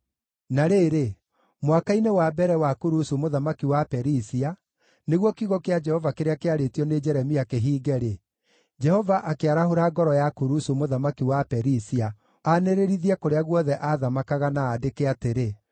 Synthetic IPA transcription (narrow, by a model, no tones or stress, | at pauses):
naɾeːɾe | mwakainewabɛɾɛwakuɾusumoðamakiwapɛɾisia | neɣwɔkiɣɔkead͡ʒɛhɔvakeɾeakeaɾetiɔned͡ʒɛɾɛmiakeɦiːɡɛɾe | d͡ʒɛhɔvaʔakeaɾahoɾaɡɔɾɔjakuɾusumoðamakiwapɛɾisia | aneɾeɾiðiɛkoɾeaɣwɔðɛʔaðamakaɣanaːdekeateɾe